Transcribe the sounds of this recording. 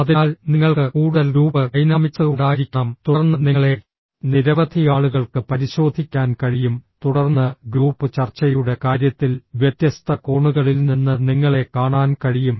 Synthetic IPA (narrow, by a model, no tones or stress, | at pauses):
ɐðiaːlniŋːɐɭkɨkuːɽɐlɾuːbɨkɐjnaːmit͡ɕːɐðuɽaːiɾikʲːɐɳɐmt̪urnːɨniŋːɐɭe̞ | niɾɐʋɐd̪ʱijaːɭuɣɐɭkɨpɐɾiɕo̞ːd̪ʱikʲːaːnkɐɻijumt̪uɽɐrnːɨɡɾuːpːɨt͡ɕɐrt͡ɕɐjuɽe̞kaːɾjɐt̪ːilʋjet̪jɐst̪ʰɐko̞ːɳuɣɐɭilninːɨniŋːɐɭe̞kaːɳaːnkɐɻijum